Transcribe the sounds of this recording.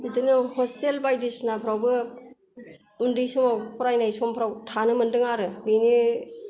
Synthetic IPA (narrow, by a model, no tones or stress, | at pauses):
bidɯnɯhɔstelbajdisnapʰɾawbɯ | undisumawpɾajnajsɔmpʰɾawtʰanɯmɯndɯŋaɾɯbeni